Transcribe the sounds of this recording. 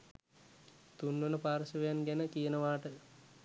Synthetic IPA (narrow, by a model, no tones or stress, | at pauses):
t̪unːənəpaːɾəsəʋejanɡænəkijənəʋaːʈə